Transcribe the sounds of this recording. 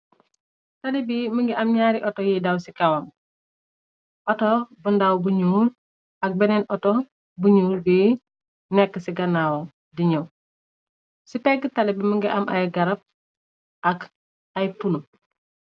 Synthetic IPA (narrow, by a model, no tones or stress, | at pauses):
talibiməŋɡiʔamɲaːɾiʔɔtɔjidawsikɐwam | ʔɔtobəndawbuɲuːl | ɐk̚bɛnɛnʔɔtɔ | buɲuːlbi | nɛkːəsiɡɐnawo | diɲɐw | sipɛɡətalibiməŋɡiʔɐmʔajɡɐɾɐp̚ | ɐk | ajpunu